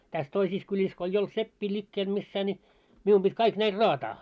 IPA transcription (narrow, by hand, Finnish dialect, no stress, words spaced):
tæs toisis kylʲis ko eij olt sepːiː lʲikːeːl misːæː nʲi miu pit kɑik næil rɑːtɑː